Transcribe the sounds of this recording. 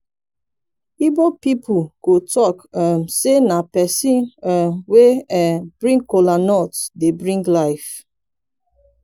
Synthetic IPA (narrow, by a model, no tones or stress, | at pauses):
ibopipʰukotɔkəmsenapɛsĩnɛmweɛb̥ɹĩŋɡkolanɔtdebɹĩŋɡlaɪf